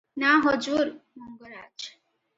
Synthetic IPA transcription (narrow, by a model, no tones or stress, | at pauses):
naɦɔd͡ʒuɾmɔŋɡɔɾad͡ʒ